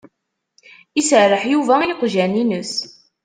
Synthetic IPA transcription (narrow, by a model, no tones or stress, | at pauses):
isəʕrˤːəħjuvæiqʒæninəs